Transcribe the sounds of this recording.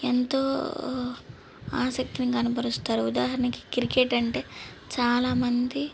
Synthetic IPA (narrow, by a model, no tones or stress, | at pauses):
ent̪o̞ː | aːsɐk̚t̪iniɡɐnɐpɐɾust̪aːɾuud̪aːɦɐɾɐnɐki̥kɾikeʈɐɳʈe̞ː | t͡ʃaːlaːmɐnd̪i